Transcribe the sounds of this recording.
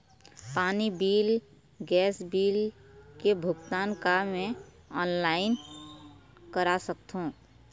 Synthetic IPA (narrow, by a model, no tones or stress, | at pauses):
paːnibiːl | ɡɛːsbiːl | kebʱʊɡt̪aːnkamẽ | ɔːnlaːɪn | kəɾasəkt̪ɦũ